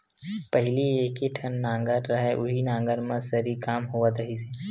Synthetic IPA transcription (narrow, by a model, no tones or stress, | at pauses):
pəɦɪlieːkiʈʰənːãːŋɡəɾːɐɦeʔʊɦinãːŋɡəɾmẽsəɾikaːmɦoːʋət̪ɾɐɦiseː